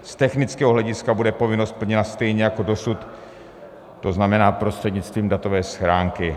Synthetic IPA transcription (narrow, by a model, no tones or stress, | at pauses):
st̪ɛxnɪt͡skɛːɦoɦlɛɟɪskabudɛpo̞vɪnost̪̚pl̩ɲɛnast̪ɛjɲɛjako̞do̞sut̪ | oznamɛnaːpɾost̪r̥ɛdɲɪt͡st̪viːmdat̪o̞vɛːsxɾaːŋkɪ